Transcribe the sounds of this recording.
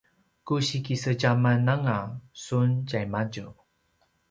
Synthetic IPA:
kuɕikisəɟamanaŋasunɟajmaɟu

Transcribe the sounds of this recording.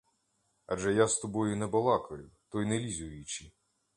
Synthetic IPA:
ɐ̰ʒɛjast̪ɔbɔjʊnɛbɔlˠɑkɔjʊt̪ɔjnɛlʲizʲʊjʊt͡ʃi

